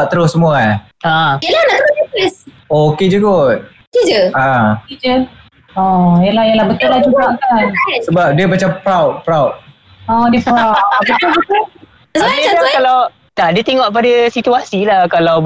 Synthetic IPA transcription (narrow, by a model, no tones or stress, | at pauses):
t̪əɾʊssəmũa | ãjəlanaʔt̪əpəs | oked͡ʒəɡot̪̚ | kid͡ʒəãkid͡ʒə | ɔjəlahjalahbət̪ʊlad͡ʒupaŋkansəbap̚diəmat͡ʃampɾawt̚pɾawt̚ | ɔdiəpabət̪ʊbət̪ʊl | apilakalaw | t̪aʔdiət̪eŋɔʔ̚padasit̪uasilahkalaw